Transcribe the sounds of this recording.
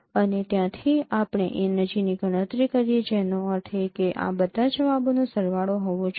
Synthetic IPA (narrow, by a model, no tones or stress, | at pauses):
ənet̪jãt̪ʰiapɽ̃eʔenəd͡ʒiniɡʱəɽ̃ə̃t̪ɾikəɾjet͡ʃʰɛnõəɾt̪ʰekeʔa̰bəd̪ʱad͡ʒəʋabonõsəɾʋaɭoɦɔʋõt͡ʃʰ